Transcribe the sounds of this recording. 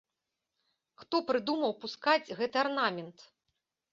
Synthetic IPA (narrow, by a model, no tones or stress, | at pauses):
xt̪ɔpɾɨd̪umɐwpuskad͡zʲɣɛt̪ɨarnamʲɛnt̪